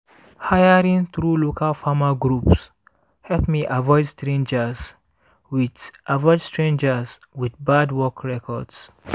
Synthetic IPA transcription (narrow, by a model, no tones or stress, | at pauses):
hajaɹĩnθɹulokalfamaɡɹups | hɛlpmiʔavɔɪdstɹẽnd͡ʒas | witʔavɔɪdstɹẽnd͡ʒəswiθbadwɔkʰɹɛkʰɔds